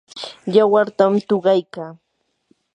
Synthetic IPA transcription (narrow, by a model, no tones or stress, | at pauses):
jawaɾt̪amt̪oɢɑjkaː